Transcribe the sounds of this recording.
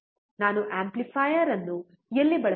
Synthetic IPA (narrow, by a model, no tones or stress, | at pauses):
naːnuʔaːmplifʰaːjɐɾɐnːu | elːibɐɭɐ